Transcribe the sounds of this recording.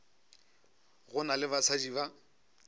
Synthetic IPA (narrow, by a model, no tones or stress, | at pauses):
ɣʊnalɪbat͡sʰad͡ʒiba